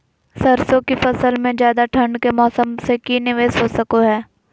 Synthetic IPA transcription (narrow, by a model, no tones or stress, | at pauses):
sɐɾsõkifɐsəlmẽd͡ʒjaːd̪aʈʰɐ̃ɳɖkemɔːsəmsekinɪʋeːsɦosɐkoɦɛː